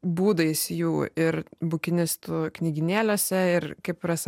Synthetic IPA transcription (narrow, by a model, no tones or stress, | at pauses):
buːd̪ɐɪsjuːɪɾbʊkʲɪnʲɪst̪ʊknʲiɡʲɪnʲeːlʲoːsʲɛɪrkɐɪpɾɐsʲ